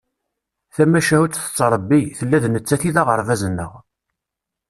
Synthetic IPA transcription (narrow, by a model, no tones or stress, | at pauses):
θæmːæʃæhut͡sθə̥t͡sːɾˤəbːiθəlːæðnət͡sːæθiðæʁəɾˤvæzənːə̰ʁ